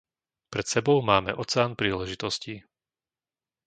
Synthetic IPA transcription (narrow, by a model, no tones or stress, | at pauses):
pɾɛt̪sɛbɔʊmaːmɛʔɔt͡sɛaːnpɾiːlɛʒit̪ɔsci